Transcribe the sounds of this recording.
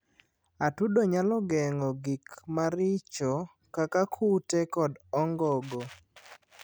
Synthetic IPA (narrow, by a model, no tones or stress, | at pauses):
atudoɲalɔɡɛŋɔɡikmaɾɪt͡ʃɔ | kakakʰutekɔdɔŋɡɔɡo